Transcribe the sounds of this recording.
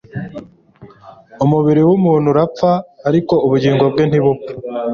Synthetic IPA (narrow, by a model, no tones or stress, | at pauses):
umuβiɾiwumuːn̤̥huɾap͡faːɾiko̞uβuɟiːŋɡo̞b̚ɡen̥iβu